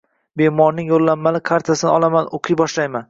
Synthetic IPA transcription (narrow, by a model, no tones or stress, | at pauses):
be̞mɒɾnɪŋjolˠːamːalɪkʰaɾt̪ʰasɪnɪɒlˠamanʔoqʰɨjbɒʃlajman